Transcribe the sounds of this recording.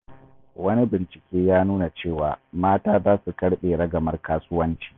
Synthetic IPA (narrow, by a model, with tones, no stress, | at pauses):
wɐ˦ni˦bɪ˨nt͡ʃɪ̥˨kʲeː˦jaː˦nuː˦na˨t͡ʃeː˦˨waː˨maː˦taː˦zaː˦su˨kɐ˦ɽɓeː˨ɽɐ˦ɡɐ˨mɐ˦rkaː˦sʊ˦wɐ˦nt͡ʃi̥ː˨